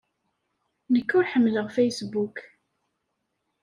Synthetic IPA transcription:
nəkːʊɾħəmːələʁfejsbuk

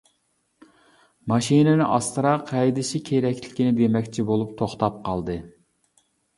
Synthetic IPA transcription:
mɑʃinɪnɪʔɑst̪ɨɾɑqʰːɛjd̪ɪʃikʲʰeɾɛkʲʰlɪkʲinɪbemɛkʲt͡ʃʰibolˠup̚t̪ʰoχt̪ɑp̚qʰɑlˠd̪ɨ

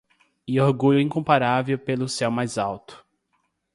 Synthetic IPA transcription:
ioɾɡuʎʊĩkõmpaɾavewpelʊsɛwmajzawt̪ʊ̥

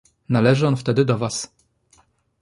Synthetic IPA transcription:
nalɛʐɘɔnft̪ɛd̪ɘd̪ɔvas

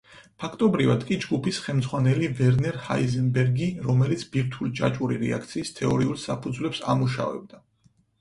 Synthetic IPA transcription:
pʰakʰt̪ʼɔbɾivad̪kʼid͡ʒɡupʰisχɛlmd̪zʁwanɛlivɛɾnɛɾha̰izɛnbɛɾɡiɾɔmɛlit̪sʰbiɾt̪ʰulit͡ʃʼa̰t͡ʃʼuɾḭɾɛ̰a̰kʰt̪sʰiːst̪ʰɛɔɾiulˠsapʰud̪zwlɛpsa̰muʃa̰vɛ̰b̚d̪a

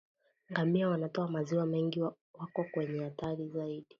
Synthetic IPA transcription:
ŋɡamiawanatɔamaziwamɛŋɡi | wakɔkwɛɲɛhataɾizaiɗi

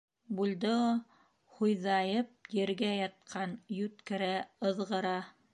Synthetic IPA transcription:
bulˠd̪ɤ | hujðɑjɤp̚jɘ̆ɾɡæjɑt̪̚qʰɑnjʉt̪kɘ̆ɾæɤ̆ðʁɤ̆ɾɑ

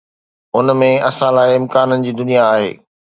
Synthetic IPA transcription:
ʊnmẽɐsãlaːɪɪmkaːnənɪ̆d͡ʑiːd̪ʊnijaːɦḛː

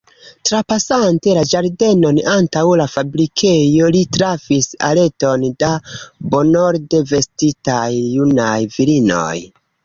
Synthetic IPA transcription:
tɾapasante̞lad͡ʒaɾde̞no̞nantawlafabɾikʰe̞jo̞litɾafisa̰le̞to̞ndabo̞no̞ɾde̞ve̞stitajːunajviɾino̞̰j

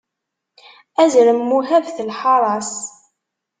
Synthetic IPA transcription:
æzɾəmːuɦævθəlħɑɾˤɑs

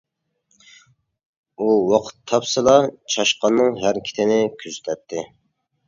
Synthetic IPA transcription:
uwɑqʰə̥t̪ʰːɑpsɨlˠɑt͡ʃʰɑʃqɑnːɨŋɦæɾkʲʰi̥t̪ʰɪnɪkʲʰyzyt̪ʰɛt̪ʰːɪ

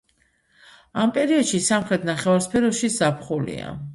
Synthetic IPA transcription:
ampʼɛɾiɔd̪ʃisamχɾɛt̪ʰnaχɛvaɾspʰɛɾɔʃizapʰχulḭa̰

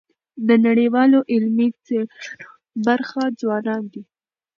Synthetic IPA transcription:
d̪ənaɽiwɑloʔɪlmit͡se | baɾxad͡zwɑnɑnd̪i

